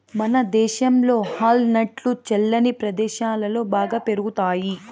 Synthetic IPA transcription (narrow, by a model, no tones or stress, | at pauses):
mɐnɐd̪ɛːʃɐmlo̞ːhaːlnɐʈlut͡ʃɛlːɐnipɾɐd̪ɛːʃaːlɐlo̞ːbaːɡaːpe̞ɾuɡut̪aːji